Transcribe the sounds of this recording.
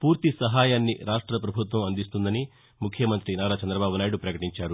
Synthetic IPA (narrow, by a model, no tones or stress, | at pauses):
puːɾt̪isɐɦaːjaːnːiɾaːʂʈɾɐpɾɐbʱut̪ʋɐmɐnd̪ist̪und̪ɐni | mukʰjɐmɐnt̪ɾinaːɾaːt͡ʃɐnd̪ɾɐbaːbunaːjiɽupɾɐkɐʈiɲt͡ʃaːɾu